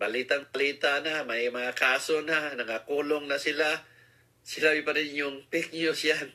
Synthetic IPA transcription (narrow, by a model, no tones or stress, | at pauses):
bɐliːt̪aŋbɐliːt̪anamɐjmɐŋakaːsonanɐŋakuːloŋnɐsɪla | sɪlabɪpɐɾɪnjʊŋpɪk̚ɲʊsjan